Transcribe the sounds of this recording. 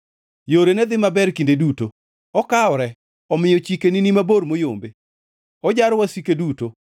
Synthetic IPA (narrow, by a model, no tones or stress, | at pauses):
joɾenɛd̪ɪmabɛɾkindeduto | ɔkaɔɾɛ | ɔmɪjɔt͡ʃikeninimaboɾmojombe | ɔd͡ʒaɾwasikeduto